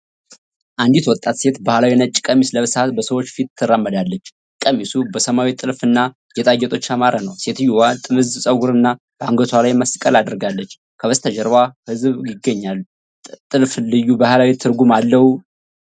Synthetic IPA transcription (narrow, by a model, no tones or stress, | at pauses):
ʔand̪it̪wɔt̪ʼːat̪se̞t̪bahlawinət͡ʃʼːɪ̥kʼəmisləβɨsat̪bəsəwo̞t͡ʃːfit̪ʰːɨrːamːəd̪alːət͡ʃː | kʼəmisubəsəmawit̪ʼɨlfɨnːa | jɛt̪ʼajːɛt̪ʼo̞t͡ʃːamaɾənəwse̞t̪ɨjːuwat̪ʼɨmɨzsʼəɡuɾɨnːa | b̥əaŋɡət̪ʰwalajməskʼəlad̪əɾɡalːət͡ʃː | kʰəβəst̪ʰəd͡ʒɛɾβahɨzβjɪɡːəɲːalː | t̪ʼɨlflɨjːubahlawit̪ʰɨɾɡumalːəhu